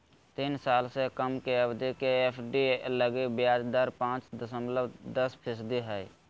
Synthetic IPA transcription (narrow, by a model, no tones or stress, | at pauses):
t̪iːnsaːlsekəmkeəbd̪ikeepʰɖiləɡebjaːd͡ʒd̪aːɾpãːt͡ʃd̪əsəmləbd̪əspʰɪsd̪iɦɛj